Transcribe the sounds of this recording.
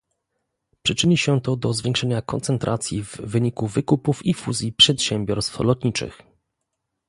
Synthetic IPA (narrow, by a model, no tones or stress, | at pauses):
pʂɘt͡ʂɘɲiɕɛt̪ɔd̪ɔzvʲjɛ̃ŋkʂɛɲakɔ̰nt̪sɛnt̪ɾʔat̪sʲjḭvːɘɲikuvɘkupufifuzʲjipʂɛt̪ɕɛmbʲjɔɾst̪flɔt̪ɲit͡ʂɘ̰x